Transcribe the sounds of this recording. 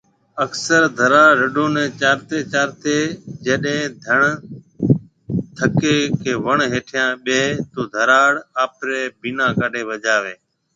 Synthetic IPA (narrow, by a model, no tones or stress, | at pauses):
əksəɾd̪ʱəɾaːɽɾəɗõːnɛ̃ːt͡ʃaːɾt̪eːt͡ʃaːɾt̪eːd͡ʒeːɗɦẽːd̪ʱəɳ | t̪ʰəkeːkʰeːʋəɳɦeːʈʰɪjãːɓeːt̪oːd̪ʱəɾaːɽaːpɾeːbiːnãːkaɗʱeːʋəd͡ʒaːʋeː